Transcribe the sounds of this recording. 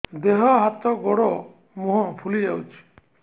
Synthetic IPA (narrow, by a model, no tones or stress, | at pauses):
d̪eɦɔɦat̪ɔɡɔɽɔ | muɦɔ̃pʰulid͡ʒawt͡ʃʰi̥